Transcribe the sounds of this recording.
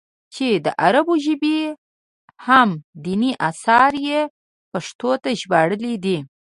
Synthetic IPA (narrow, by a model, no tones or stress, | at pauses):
t͡ʃed̪əʔaɾaboʒɪbi | hamd̪iniʔasɑɾje | paʂt̪ot̪aʒbɑɽəlid̪i